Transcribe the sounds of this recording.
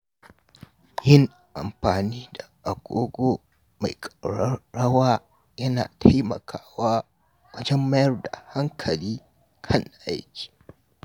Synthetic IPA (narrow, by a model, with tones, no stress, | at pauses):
jɪ˦ŋ | ʔa̰˨mɸaː˨niː˦da˨ʔa˨ɡ̥ʷoː˦ɡʷoː˦ | ma˨jkʼɐ˨ɽɐ˦ɽɐ˦waː˦ | jɐ˦na̰ː˨tʰa˦jmɐ̰˨kʰaː˦waː˦ | wɐ˦d͡ʒɐ˦mːɐ˦jɐ˦rda˨ha˦ŋkʰɐ˨liː˦ | kʰɐ˦˨nʔa̰˦jkʲi̥ː˨